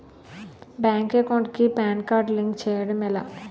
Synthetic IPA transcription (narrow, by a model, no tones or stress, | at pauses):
bɛŋkekɔ̃ʈkipɛnkaɾɖliŋkt͡ɕʰeɽmela̰